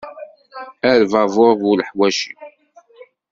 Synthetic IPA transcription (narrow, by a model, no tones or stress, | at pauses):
æɾvævoɾˤvulħwæʃi